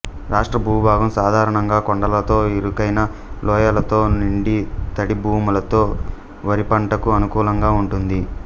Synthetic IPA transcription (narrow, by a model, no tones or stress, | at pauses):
ɾʔaːʂʈɾɐbʱuːbʱaːɡɐmsaːd̪ʱaːɾɐɳɐŋɡaːkoɳɖɐlɐt̪o̞ːiɾukɐjnɐlɔːjɐlɐt̪o̞ːniɳɖit̪ɐɽibʱuːmulɐt̪o̞ː | ʋɐɾipɐɳʈɐkuɐnukuːlɐŋɡaːuɳʈund̪i